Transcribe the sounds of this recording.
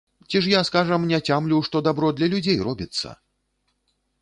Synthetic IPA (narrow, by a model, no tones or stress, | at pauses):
t͡sʲiʂ̬jaskaʐɐmnʲɛt͡sʲamlʲuwʂt̪ɔd̪abɾɔd̪lʲɐlʲud͡zʲejrɔbʲit̪sːɐ̰